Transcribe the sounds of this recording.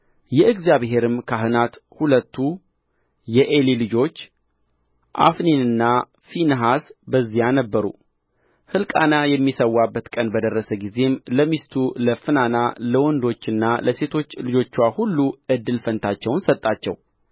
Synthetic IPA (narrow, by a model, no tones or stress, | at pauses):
jɛɨɡzjaβɦe̞ɾɨmkʰaɦɨnat̪hulət̪ːu | jɛʔelilɨd͡ʒo̞t͡ʃː | ʔa̰fninɨnːa | finɦasbəzːijanəbːəɾṵ | hɨlkʼanajɛmːisəwːabːət̪kʼənbəd̪ərːəsəɡize̞mləmist̪ʰuləfɨnana̰ləwɔnd̪o̞t͡ʃːɨnːaləse̞t̪ʰo̞t͡ʃːlɨd͡ʒo̞t͡ʃːwahulːuɨd̪ːɨlfənt̪ʰat͡ʃːɛwnsət̪ʼːat͡ʃːɛ̰w